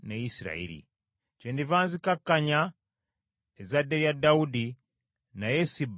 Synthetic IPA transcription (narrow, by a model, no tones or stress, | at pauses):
nejisiɾa̰ḛɾḭ | ceːndivaːnzikakːaɲa | ezadejadaudi | najesib